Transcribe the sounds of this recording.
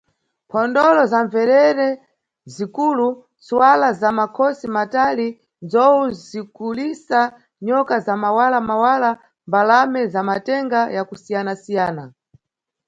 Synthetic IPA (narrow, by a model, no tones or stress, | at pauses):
pʰɔndɔlɔzaɱvɛɾɛɾɛ | zikuːlu | t͡suwalazamakʰɔsimatali | nd͡zɔuzikulisa | ɲɔkazamawalamawala | mbalamɛzamatɛŋɡajakusijanasijaːna